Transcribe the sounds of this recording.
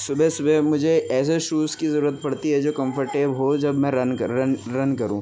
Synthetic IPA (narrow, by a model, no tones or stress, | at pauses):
sʊbʱɛsʊbʱɛmʊd͡ʒʱeɛːs̬eʃuːskizɐɾuːɾət̪̚pɐɽt̪iɦɛd͡ʒoːkɐ̃mfəɾʈeːbɦod͡ʒɐbmɛ̃ɾɐnɾɐnɾɐnkɐɾũː